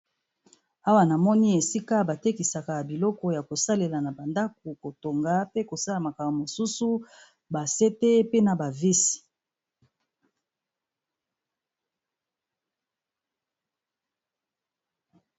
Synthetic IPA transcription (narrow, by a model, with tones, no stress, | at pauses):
a˦wa˨na˨mɔ˦ni˦e˨si˦ka˦ba˨te˦ki˨sa˨ka˨bi˨lɔ˦kɔ˦ja˨ko˨sa˦le˨la˨na˨ba˨nda˦k̚u˨ko˨to˨ŋɡa˦pe˦ko˨sa˦la˨ma˨ka˨o˨mo˨su˦su˦ | ba˨se˦te˦pe˦na˨ba˨vi˦si̥˨